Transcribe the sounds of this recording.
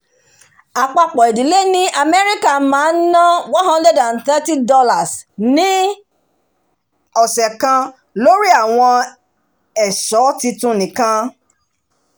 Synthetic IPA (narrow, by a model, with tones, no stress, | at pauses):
a˨k͡pa˧k͡pɔ˨e˨di˨le˦nĩ˦ʔa˨me˦ɾi˦ka˦˨mãː˨˦n̩˦nã˦wɔ̃˦nhã˦ndɛ˦dã˨nθɛ˦ti˦dɔ˦la˨snĩ˦ | ɔ˨sɛ˨kã˧ | lo˦ɾi˦a˦˨w̃ɔ̃˧ | ɛ˨sɔ˨˦ti˧tũ˧nĩ˨kã˧